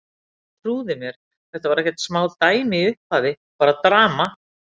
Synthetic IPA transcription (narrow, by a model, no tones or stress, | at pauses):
t̪ʰɾuːðɪmjɛɾ̥ | θɛht̪avaɾɛhcɛ̥t̪smaːwlt̪aːjmɪiʏhpaːðɪ | paːɾat̪ɾaːma